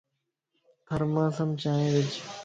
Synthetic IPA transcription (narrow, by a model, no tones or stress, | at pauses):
kʰəɾmãːsəmt͡ʃaːẽːʋɪt͡ʃ